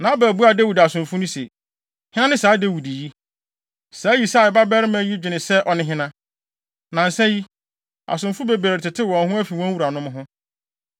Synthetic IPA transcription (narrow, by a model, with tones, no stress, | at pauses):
nã˨˦bæː˨bu˦a˨dæ˦wu˨da˨sʊ̃˨mfʊ˦nʊ̃˦se˨ | hɪ̃˦nã˦nɪ̃˦saː˨˦dæ˦wu˨di˨ji˦ | saː˨˦ji˨sa˦˨ba˦bɛ˦ɾɪ˦mæ̃˦ji˦d͡ʑᶣɪ˨nɪ̃˨sɛ˦ʔɔ˨nɪ̃˦ɦɪ̃˦nã˦ | nã˨n̩˨sɛ˦ji˦ | a̰˨sʊ̃˨mfʊ˦be˨bɾa˨ɾtʰɪ˨tʰɪ˦wɔ̃˨n˦ɦʊ̃˦æ˦fi˨wɔ̃˦wu˨ɾa˨nʊ̃˦m˦ɦʊ̃˦